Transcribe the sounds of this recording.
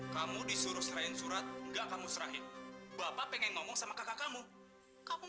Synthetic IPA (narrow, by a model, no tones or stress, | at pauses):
kamudisuɾʊhsɾaɪnsuɾat̪̚ŋɡakamusəɾaɦɪnbapapɛŋɛŋmɔmɔŋsamakakakamu | kamu